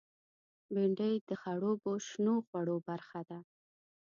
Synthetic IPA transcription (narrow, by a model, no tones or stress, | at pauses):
beɳɖəjd̪əxaɽoboʃnoxwaɽobaɾxad̪a